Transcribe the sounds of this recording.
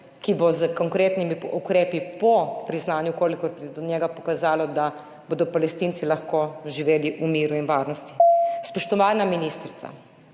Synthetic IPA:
kibozəkɔŋkɾeːt̪nimiukɾeːpipɔpɾiznaːnjukoːlikɔɾpɾid̪ɔnjɛːɡapɔ̥kazaːlɔd̪a | boːd̪ɔpalɛst̪iːnt̪silaxkoʒiʋeːliʔumiːɾuinʋaːɾnɔst̪ispɔʃt̪ɔʋaːnaminiːst̪ɾit̪sa̰

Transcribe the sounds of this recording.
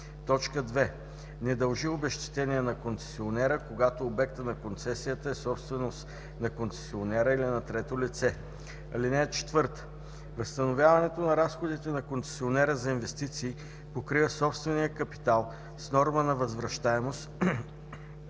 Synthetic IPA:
t̪ɔt͡ʃkəd̪vɛ | nɛd̪ɐlˠʒiobɛʃt̪i̥t̪ɛniɛnɐkont̪sɛ̥sionɛɾəkoɡat̪oːbɛk̚t̪ənɐkont̪sɛsijət̪əɛsɔpst̪vɛnost̪ | nɐkont̪sɛ̥sionɛɾəilinɐt̪ɾɛt̪olit̪sɛ | ɐlinɛːt͡ʃɛ̥t̪vɤɾt̪ə̥ | vəst̪ɐnovʲjavɐnɛt̪onɐɾasxod̪it̪ɛnɐkont̪sɛ̥sionɛɾəzɐinvɛst̪it̪siː | pokɾivəsɔpst̪vɛnijəkɐpi̥t̪alˠ | snɔɾmənɐvɐzvɾɐʃt̪aɛmost̪

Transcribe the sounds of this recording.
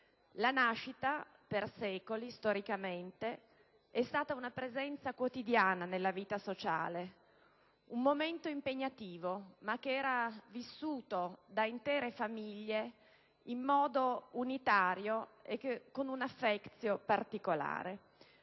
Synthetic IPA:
lanaʃːit̪a | persɛːkolist̪oɾikament̪e | ɛst̪aːt̪aunapɾezɛnt̪sakwot̪id̪jaːnanelːaviːt̪asot͡ʃa̰ːle | umːoment̪oimpeɲːat̪iːvomak̟ːeɛːɾavisːuːt̪od̪aint̪ɛːɾefamiʎːe | imːɔːd̪ounit̪aːɾjoekːkonunafːɛkt̪sjopart̪ikola̰ːɾe

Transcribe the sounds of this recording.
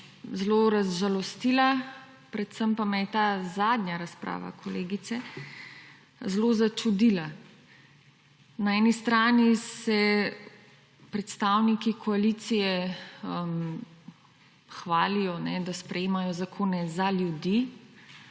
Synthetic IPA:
zloɾazʒalɔst̪ila | pɾɛt̪səmpamɛjɛt̪aːzaːd̪ɲʲjaɾaspɾa̰ːʋa̰kʰɔleːɡit̪sɛ | zlozat͡ʃud̪ila | naɛnist̪ɾaːnisɛ | pɾɛt̪st̪aːwnikikʰɔalit̪sijɛəm | xʋaːlijɔnɛd̪aspɾɛjeːmajɔzakʰoːnɛzaljud̪i

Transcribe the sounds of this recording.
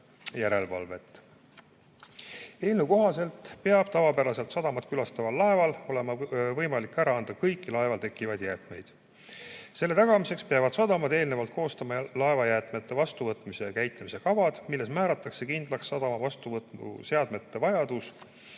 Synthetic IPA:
jæɾe̞lvɑ̰lve̞t̪ːˑ | eːlnuko̞ɦɑse̞lt̪ˑpeɑb̥̚t̪ɑvɑpæɾɑse̞lt̪sɑd̪̥ɑmɑt̪kylɑst̪ɑvɑlːɑe̞vɑlo̞le̞mɑvɤjmɑlikːæɾɑɑnd̪̥ɑkɤjkˑːilɑe̞vɑlt̪e̞kːˑivɑd̪̥jæːt̪ˑme̞jd̪̥ | se̞lːe̞t̪ɑɡ̥ɑmise̞kspeɑvɑd̪̥sɑd̪ɑmɑd̪e̞ːlne̞vɑlt̪̚ko̞ːst̪ɑmɑlɑe̞vɑjæːt̪ˑmet̪ːˑe̞vɑst̪uvɤt̪ːˑmisejkæjt̪ːˑɑmisekɑvɑd̪̥milːe̞smæːɾɑt̪ːˑɑkse̞kind̪lɑksːɑd̪̥ɑmɑvɑst̪uvɤt̪ṵse̞ɑd̪̥me̞t̪ːe̞vɑjɑd̪̥us

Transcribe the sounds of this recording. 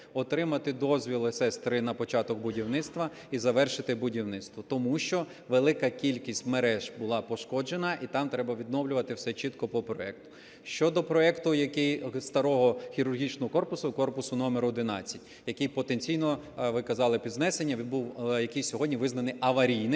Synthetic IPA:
ɔt̪ɾɪmɐt̪ɪd̪ɔzʲʋʲilˠɪsɛst̪ɾɪnɐpɔt͡ʃɑt̪ɔkbʊdʲiwnɪtst̪ʋɐ | izɐʋɛrʃɪt̪ɪbʊdʲiwnɪt̪st̪ʋɔt̪ɔmuʃt͡ʃɔ | ʋelˠɪkɐkʲilʲkʲisʲtʲmeɾɛʒbʊlˠɑpɔʃkɔd͡ʒenɐʔit̪ɑmt̪ɾɛbɐʋʲid̪nɔwlʲʊʋɐt̪ɪwsɛt͡ʃit̪kɔpɔpɾɔɛ̰k̚t̪ʊ̥ | ʃt͡ʃɔd̪ɔpɾɔɛkt̪ʊjɐkɪjst̪ɐɾɔɦɔxʲiɾʊrɦʲit͡ʃnɔɦɔkɔrpʊsʊkɔrpʊsʊnɔmeɾʊd̪ɪnɑ̰t͡sʲːɐ̥tʲjɐkɪjpɔt̪enʲt͡sʲijnɔʋɪkɐzɑlˠɪpʲid̪znɛsenʲːɐbuwjɐkɪjsʲɔɦɔdʲnʲiʋɪznɐnɪɐʋɐɾʲijnɪ

